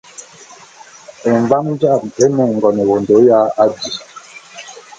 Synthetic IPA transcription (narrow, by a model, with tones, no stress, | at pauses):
ɛ˨ɱ˨va˦ŋn˦d͡ʒa˦˨mɛ˦mɛ˨ŋ̩˨ɡɔ˨nɛ˨wo˨ndo˨˦ja˦a˦di˨